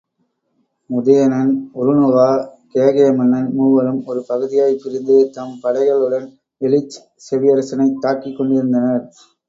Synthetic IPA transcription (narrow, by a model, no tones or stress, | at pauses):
mʊðɐjɐnɐnʊɾɯnɯʋaːkeːɣɐjɐmɐnːɐnmuːʋɐlɯmɔɾɯpɐɣɯðɪjaːjpːɪɾɪnd̪ɯt̪ɐmpɐɽɐɪɣɐɭɯɽɐn | ɛlɪt͡ʃː | sɛʋɪjɐɾɐsɐnɐɪt̪ːaːkɪkːɔɳɖɪɾɯnd̪ɐnɐɾ